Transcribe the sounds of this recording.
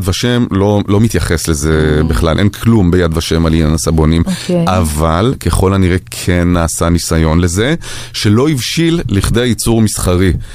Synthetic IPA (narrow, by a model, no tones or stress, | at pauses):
d̪vaʃemlo̞lo̞mit̪jaχe̞slezebiχlalʔe̞nkʰlumbejad̪vaʃe̞malinanasabo̞nimavalke̞χo̞lhaniʁekʰenːaːsanisajo̞nle̞ze̞ | ʃe̞lo̞ivʃilːiχd̪ejajit͡suʁmisχaʁi